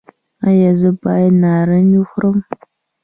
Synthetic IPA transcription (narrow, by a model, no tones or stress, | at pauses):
ajɐzɨbajnaɾənixʷʊɾəm